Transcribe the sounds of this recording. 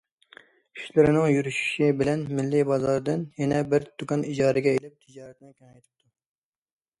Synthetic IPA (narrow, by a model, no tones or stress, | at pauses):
kʲʰy̥ʃlɪɾɪnɪŋjyɾyʃy̥ʃibɪlɛnmɪlːɪbɑzɑɾd̪ɨnjɛnɛbɪɾt̪ʰukɑnid͡ʒɑːɾɨɡʲɛelɪp̚t̪ʰɨd͡ʒɑːɾɛt̪̚nɪkʲynɑjt̪ʰɨ̥p̚t̪ʰu